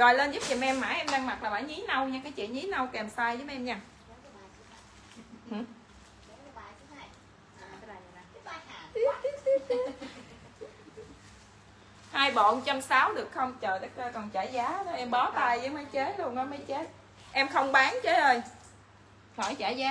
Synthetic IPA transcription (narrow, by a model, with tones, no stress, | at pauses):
ɣɔ˨˩jləː˧nzu˦˥p̚t͡ɕi˨˩mʔɛ˧mːa̰ː˧˩˥jʔɛ˧mɗaː˧ŋma˨˩t̚laː˨˩ɓa̰ː˧˩jɲi˨˦nə˧wɲaː˧kaː˨˦jt͡ɕḭ˧˨ɲi˨˦nə˧wkɛ˨˩msaː˧jəː˨˦mʔɛ˧mɲaː˧˨˩ | h̩˨˩˨ | i˦i˦t̪i˦˥t̪i˦ | haː˧jɓo̰˧˨nt͡ɕə˧nsaː˨˦wɗɨ˨˩ək̚xə˧wŋ͡mt͡ɕəː˨˩jt̪ə˨˦kə˧kɔ˨˩nt͡ɕaː˧˩˦jzaː˨˦ɗʔɛ˧mɓɔ˨˦t̪aː˧jzə˨˦mə˨˦jt͡ɕe˦˥t̚lu˧ənnɔ˨˦maː˨˦jt͡ɕe˦˥t̚ | ʔɛ˧mxə˧wŋ͡mɓaː˨˦ŋt͡ɕə˨˦˥ʔəː˧˩j | fʰɔ˧˩jt͡ɕaː˧˩zaː˨˦